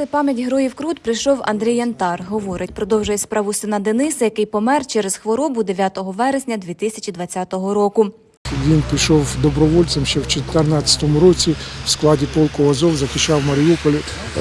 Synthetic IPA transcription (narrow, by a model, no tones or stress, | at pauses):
ɛpɑmʲjɐtʲɦɾɔjiwkɾudt̪pɾɪjʃɔwɐ̰nd̪ɾʲijɐnt̪ɑrɦɔʋɔɾɪtʲpɾɔd̪ɔwʒʊjɛspɾɑʋʊsɪnɐd̪enɪsɐjɐkɪjpɔmɛrt͡ʃɛɾezxʋɔɾɔbʊd̪eʋʲjat̪ɔɦɔʋɛɾesʲnʲɐd̪ʲʋʲit̪ɪsʲɐt͡ʃʲid̪ʋɐt͡sʲat̪ɔɦɔɾɔkʊ | ʋʲinpʲiʃɔwd̪ɔbɾɔʋɔlʲsɐmʃt͡ʃɛwt͡ʃɔt̪ernɑt͡sʲɐ̥t̪ɔmʊɾɔt͡sʲiw̥sklˠɑdʲipɔlˠkɔɐzɔwzɐxʲiʃt͡ʃːɑwmɐɾʲiupɔlʲɪ